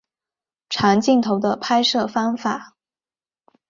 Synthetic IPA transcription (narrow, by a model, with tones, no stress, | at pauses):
ʈ͡ʂʰa˧˥ŋt͡ɕi˥˩ŋt̪ʰo˧˥ʊd̪ə˧pʰa˥ɪʂɤ˥˩fɑ˥ŋfa˨˩˦